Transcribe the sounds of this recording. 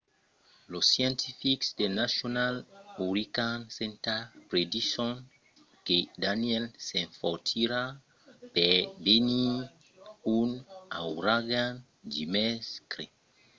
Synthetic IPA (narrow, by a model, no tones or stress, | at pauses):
losjɛ̃ntʰifiksdenasjonaluɾikansẽntapɾediʃon | kedaniɛlsẽɱfɔtʰiɾa | pɛbeni | una̰wɾaɡan | d͡ʒimɛskɾe